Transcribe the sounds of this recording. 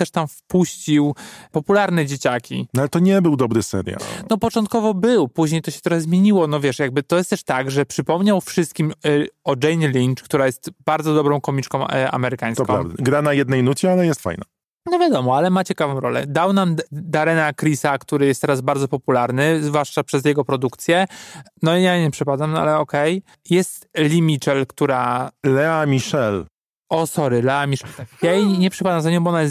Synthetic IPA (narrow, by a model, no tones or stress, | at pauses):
t̪ɛʂt̪amfpuɕt͡ɕiwpɔpulaɾnɛd͡ʑet͡ɕakʲḭnalɛt̪ɔɲɛbɘwd̪ɔbɾɘsɛ̰ɾʲja̰nɔpɔt͡ʂɔ̃nt̪̚kɔvɔbɘwpuʑɲejt̪ɔɕɛ̥t̪ɾɔxɛzmʲjeɲiwɔnɔvʲjɛʂjaɡ̚bɘt̪ɔjɛst̪ɛʂt̪aɡʐɛpʂɘpɔmɲawfʂɘst̪̚kʲimɔd͡ʐɛjnlʲint͡ʂkt̪uɾajɛst̪b̥aɾd̪zɔd̪ɔbɾɔ̃w̃kɔmʲit͡ʂkɔ̃w̃a̰mɛɾɘkaj̃sɔkɔ̃a̰vd̪ɛɡɾanajɛd̪nɛjnut͡ɕɛalɛjɛst̪fa̰jna̰ | nɔvʲjad̪ɔmɔalɛmat͡ɕɛkavɔ̃w̃ɾɔlɛ̰d̪awnamd̪aɾɛnakɾʲisakt̪uɾɘjɛst̪ɛɾazbaɾd̪zɔpɔpulaɾnɘzvwaʂt͡ʂapʂɛzjɛɡɔpɾɔd̪ukt̪sʲjɛnɔijajɲɛpʂɛpad̪amnɔa̰lɛɔkɛj | jɛst̪lʲimʲit͡ʂɛlkt̪uɾalɛamʲiʂɛl | ɔsɔɾɘlɛamʲiʂɛlt̪akjajiɲɛpʂɛpad̪amzaɲɔ̃bɔɔnajɛs